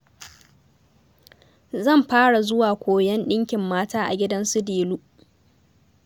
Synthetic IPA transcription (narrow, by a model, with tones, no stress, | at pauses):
zɐ˦˨mɸaː˦ɽa˨zʊ˦waː˨kʷʰoː˨jɐ˦nɗɪ˦ŋkʲɪ˨mːaː˦taː˦ʔa̰˨ɡʲɪ˦dɐ˦nsʊ˦deː˨luː˦